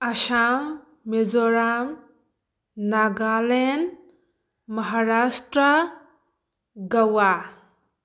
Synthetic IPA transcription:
ɐʃamː | ezɔɾam | naɡalen | mɐɦaɾasʈɾa | ɡawa

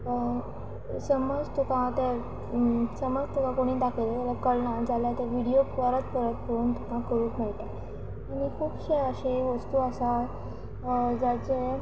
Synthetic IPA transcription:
ə | səməd͡zt̪ukãt̪e | səməd͡zt̪ukãkoɽ̃iːd̪akʰelet̪alakəɽnãd͡zaljat̪aʋiɽijoəɾət̪pəɾət̪̚pəɾuːnt̪ukãkəɾuːkməɭt̪a | aɽ̃ikʰuːbɕeəɕeʋəst̪uːəsal | d͡zat͡se

